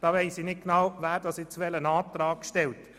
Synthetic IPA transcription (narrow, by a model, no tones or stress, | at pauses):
d̥ɑːʋɛɪsinɪt̚ɡ̥nawʋæːɾdɑsjɪt͡sʋɛlənɑːtɾɑːkʃtɛlt